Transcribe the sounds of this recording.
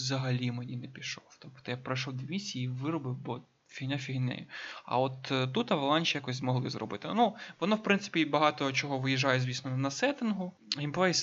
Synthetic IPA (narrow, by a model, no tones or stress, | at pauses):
zɐɦɐlʲimenʲinɛpʲiʃɔwt̪ɔpt̪ɔjapɾɐjʃɔwd̪ʲiʋʲisʲiiʋɪɾɔbɪwbɔ | fʲiɦnʲafʲiɦnɪ̰jʊɐ̰ɔt̪ːut̪ɐʋɐlˠɑnʲt͡ʃʲijakɔsʲzmɔɦlˠɪzrɔ̰bɪt̪ɪnuʋɔnɔwpɾɪnsɪ̥pʲibɐɦɑt̪ɔt͡ʃɔɦɔʋɪjiʒɑjɛzʲʋʲisnɔnɐsɛt̪ɪnɦʊ | impɛs